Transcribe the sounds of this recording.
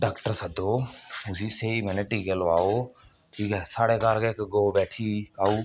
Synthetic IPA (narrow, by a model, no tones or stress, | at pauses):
ɖaːkʈəɾsəd̪oʊsiseimɛːneʈiːkelʋaːo | iksaːɽekaːɾkekɡoːbɛːʈʰiaːuː